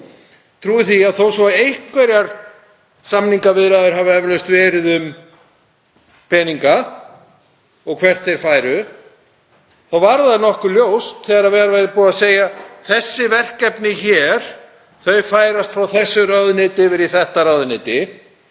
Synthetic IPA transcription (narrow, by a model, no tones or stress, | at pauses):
t̪ʰɾuːɪθiaðθowsvɔejhkvɛɾjaɾ̥ | samniŋkavɪðɾaðʏɾ̥ɦavaɛvlœjst̪vɛːɾɪðʏm | pɛːniŋka | ɔɣkʰvɛr̥t̪θɛjɾ̥faːjɾʏ | θawvaɾðanɔhkʏljowst̪θɛːðaɾaðvɛːɣɾavɛɾɪpuːðaðseːjaθɛsːɪvɛr̥kɛpnɪçɛːɾ̥ | θœɥfaːjɾast̪fɾawθɛsːʏrœðnɪːt̪ɪvɪɾiθɛht̪aɾaðnɪːt̪ɪ